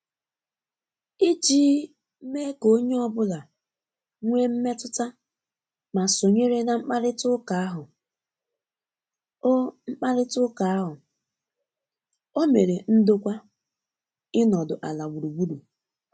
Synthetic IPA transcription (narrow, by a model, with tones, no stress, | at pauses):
i˦t͡ʃiː˦ | me˦ko˦ɲe˦ɔ˦bʊ˦la˨ | ŋʷe˦m̩˦me˦tʊ˦ta˦ | ma˨so˨ɲe˦ɾe˦na˦ŋ͡m̩˦k͡pa˦ɾɪ˦tʊ˦ka˨a˦ɦʊ˨ | o˦ŋ͡m̩˦k͡pa˦ɾɪ˦tʊ˦ka˨a˦ɦʊ˨ | o˦me˨ɾe˨n̩˦do˦kʷa˦ | ɪ˦nɔ˨dʊ˨ʔa˨la˨ɡ͡bu˨ɾu˨ɡ͡bu˦du˨